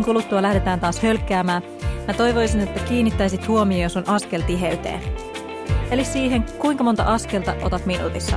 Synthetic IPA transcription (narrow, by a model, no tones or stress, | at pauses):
ŋkulut̪ːuɑlæhde̞t̪æːnt̪ɑːshø̞lkːˑæːmæː | mæt̪o̞jʋo̞jsine̞t̪ːækiːnːit̪ːæjsit̪huomijojosunʔɑske̞lt̪iɦeyt̪ḛː | elissiːɦe̞ŋkuiŋkɑmo̞nt̪ɑ̰ʔɑske̞lt̪ɑʔo̞̰t̪ɑt̪minṵːt̪isːɑ̰